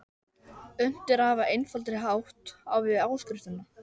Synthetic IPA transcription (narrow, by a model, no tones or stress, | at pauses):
ʏn̥t̪ɪɾahavaʔejnfalt̪ɾɪɦaːwht̪a̰wvɪaːwskɾɪft̪ʏna